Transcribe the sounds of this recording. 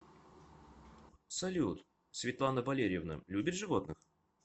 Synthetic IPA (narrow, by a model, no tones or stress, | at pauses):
sɐlʲut̪ | svʲɪt̪lˠanːəvɐlʲeɾʲjɪvnə̰lʲubʲɪt̪ʐɨvo̞t̪nɨx